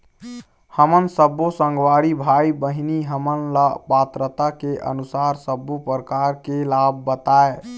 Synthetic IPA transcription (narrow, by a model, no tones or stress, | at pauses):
həmənsəbːosə̃ŋɡwaɽibʱaibəɦiniɦəmənləpat̪ɾət̪akeʔə̰nusaɾsəbːopɾəkaɾkelab̚ːət̪ae